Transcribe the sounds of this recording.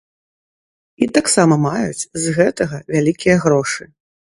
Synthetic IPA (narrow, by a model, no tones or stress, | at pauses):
it̪aksamɐmajut͡sʲzɣɛt̪ɐɣɐvʲalʲikʲijɐɣɾɔʂɨ